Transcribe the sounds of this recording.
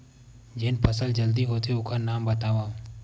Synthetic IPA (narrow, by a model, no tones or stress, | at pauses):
d͡ʒɪnpʰɐsəld͡ʒɐld̪iɦoːt̪eʊkʰanaːmbɐt̪aːʋãː